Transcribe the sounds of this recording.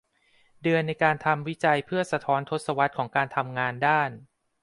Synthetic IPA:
dɯ˧ənːa˧jkaː˧nt̪ʰa˧mwi˦˥t͡ɕa˧jpʰɯ˥˩ɐsa˧t̪ʰɔː˦˥nt̪ʰo˦˥t̪̚sa˧wa˦˥t̪̚kʰɔː˩˦ŋkaː˧nt̪ʰa˧mŋaː˧ndaː˥˩n

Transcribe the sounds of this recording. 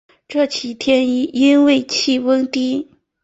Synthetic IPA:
ʈ͡ʂɤ˥˩t͡ɕʰi˨˩t̪ʰjɛ˥n˧˥˩i˥nwe˥˧ɪt͡ɕʰi˥˩wə˥ŋt̪i˥

